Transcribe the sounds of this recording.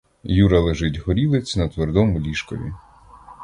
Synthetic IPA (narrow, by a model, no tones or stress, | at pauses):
juɾɐlˠeʒɪtʲɦɔɾʲilˠet͡sʲnɐt̪ʋerd̪ɔmʊlʲiʃkɔʋʲḭ